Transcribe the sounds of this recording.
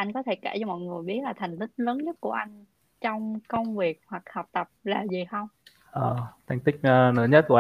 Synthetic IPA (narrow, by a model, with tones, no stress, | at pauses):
ʔa˧jŋ̟kɔ˨˦t̪ʰe˧˩ka̰ː˧˩jt͡ɕɔ˧mɔ̰˧˨jŋɨ˨˩əjɓi˦˥t̚laː˨˩t̪ʰɛ˨˩ŋ̟t̪ï˦˥k̚ləː˨˦nɲə˦˥t̚ku˧˩əʔa˧jŋ̟ | t͡ɕɔ˧wŋ͡mkə˧wŋ͡mvi˨˩ək̚hwa˨˩k̚hɔ˨˩wk͡p̚t̪ə˨˩p̚laː˨˩zi˨˩xə˧wŋ͡m | ʔəː˨˩t̪ʰa˨˩ŋ̟t̪ï˦˥k̟̚ːnɨ̰ː˧˦ɲə˦˥t̚ku˧˩ə